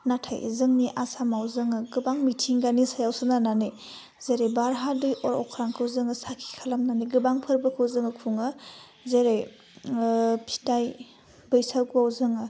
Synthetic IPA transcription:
natʰa̰jzɯŋniʔasamawzɯŋɯɡɯbaŋmitʰiŋɡanisajawsɯnanane | zeɾebaɾɦadɯjʔɔɾɔkʰɾaŋkʰɯwzɯŋɯsakʰi̥kʰalamnaniɡɯbaŋpʰɯɾbɯkʰɯwzɯŋɯkʰuŋɯ | zeɾej | pʰi̥taj | bɯjsawkawzɯŋɯ

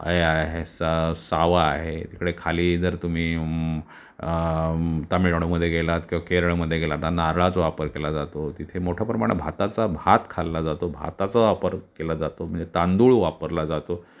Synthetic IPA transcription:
ə̰eaɦesasaʋaːɦet̪ikɽekʰaliːd͡zəɾt̪um̤iː | t̪amiʈɽ̃oməd̪ʱːjeɡelat̪kĩw̃ʋakeɾəɭməd̪ʱːjeɡelat̪nanaɾɭat͡soʋapəɾkelad͡zat̪ot̪it̪ʰemoʈʰjapɾəmaɽ̃ebʱat̪at͡sabʱat̪kʰalːad͡zat̪obʱa̰t̪at͡saʋapəɾkelad͡zat̪om̤əɳd͡zet̪and̪uɭʋapəɾlad͡zat̪o

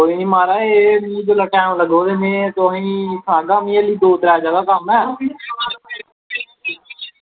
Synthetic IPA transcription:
koːiːnĩːmaːɾaːeːmĩd͡ʒoːləʈɛ̃ːmləɡoːd̪eːnẽːt̪oɦĩːsəãːɡaːmĩːeliːd̪oːt̪ɾɛːd͡ʒaːɡaːkəmɛː

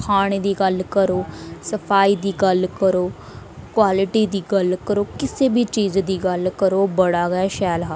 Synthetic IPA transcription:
kʰaːɽ̃eːd̪iːɡəlkəɾoːsəpʰaːiːd̪iːɡəlkəɾoː | kwaːlɪʈiːd̪iːɡəlkəɾoːkɪseːbiːt͡ʃiːzd̪iːɡəlkəɾoːbəɽaːɡəɛʃɛːlɦaː

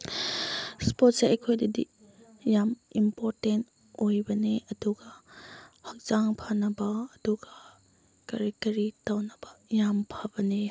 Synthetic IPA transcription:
spot̚seʔɐjkʰojdidḭ | jamimpoɾtent | ojbɐneɐduɡɐ | hɐk̚z̥aŋpʰanɐbɐːduɡɐ | kaɾitɐɾitawnɐbɐjampʰabɐne

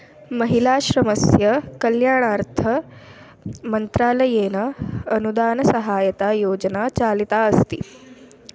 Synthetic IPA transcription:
mɐɦilaːʃɾɐmɐsjɐkɐljaːɳaːɾt̪ʰɐ | mɐnt̪ɾaːlɐjeːnɐːnud̪aːnɐsɐɦaːjɐt̪aːjoːd͡ʒɐnaːt͡ʃaːlit̪aːɐst̪ḭ

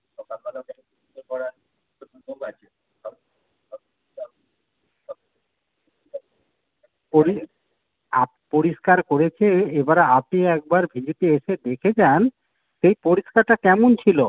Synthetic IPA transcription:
kɔɾa | poɾi | a̰ | poɾiʃkaɾkoɾet͡ɕʰeebaɾaapniɛk̚baɾbʱid͡ʑepieʃed̪ekʰed͡ʑan | ʃejpoɾiʃkaɾʈakɛmont͡ɕʰilo

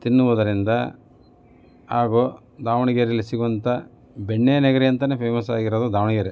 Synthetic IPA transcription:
t̪inːuʋɐd̪ɐɾind̪ɐ | aːɡo | d̪aːʋɐɳiɡɐɾelːisiɡuʋɐnt̪ɐ | beɳːeːneɡɐɾijɐnt̪ɐnepʰeːmɐsaːɡiɾɐd̪ud̪aːʋɐɳiɡɐɾe

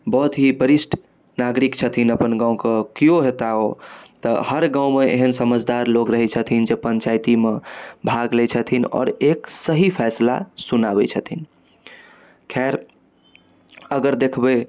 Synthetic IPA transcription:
bɔɦut̪ɦibəɾisʈ | naɡɾikt͡ʃʰət̪ʰinəpənɡãũkəkijoɦet̪aot̪ə̰həɾɡãw̃meʔḛɦənsəməd͡ʒʱd̪aɾlokɾəɦɛt͡ʃʰət̪ʰind͡ʒepənt͡ʃajt̪imebʱaɡlɛt͡ʃʰət̪ʰinɔ̰ɾeksəɦipʰɛsla̰sunabɛ̰t͡ʃʰət̪ʰin | kʰaɾ | əɡəɾd̪ekʰbe

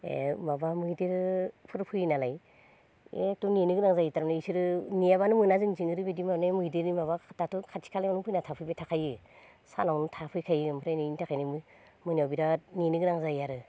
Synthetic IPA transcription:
ḛmabamɯjdeɾpʰɯɾpʰɯjnalaj | etuninɯɡɯnaŋzajitaɾanaisiɾɯnijaβanɯmɯnazɯŋziŋɯɾɯbedimanamɯdeɾnimaβatatukʰatʰi̥kʰalajmanɯŋpɯjnatʰapʰɯjbatʰakʰajɯ | sa̰nawnutʰapʰɯjkʰajɯɯmpʰɯɾajniintʰakʰajnimɯ | mɯniawbiɾaninɯɡɯnaŋzajaɾɯ

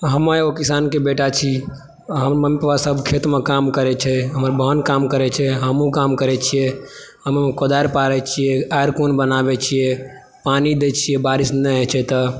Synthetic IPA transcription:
ɦəməjokisankebeʈat͡ʃʰi | ɦəmɾməmpʋasəbʱkʰet̪mekamkəɾɛt͡ʃʰɛɦəməɾbʱənkamkəɾɛt͡ʃʰɛɦəmũkamkəɾɛt͡ʃʰijeɦəmmekod̪aɾpaɾɛt͡ʃʰijɛaɾkonbənabɛt͡ʃʰijɛ | panid̪et͡ʃʰijɛbaɾisnɛt͡ʃʰɛt̪ə

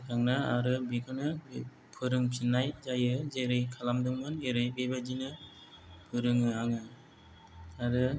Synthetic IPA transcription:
kʰaŋnaa̰ɾɯbikʰɯnɯ | pʰɯɾɯŋpʰinːajzajɯzeɾɯjkʰalamdɯŋmɯneɾɯjbebad͡ʒinɯ | pʰɯɾɯŋɯaŋɯ | aɾɯ

